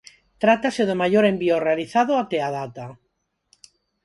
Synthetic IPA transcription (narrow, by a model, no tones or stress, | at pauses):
t̪ɾat̪aseðemaʝoɾembiorealiθaðoat̪eaðat̪a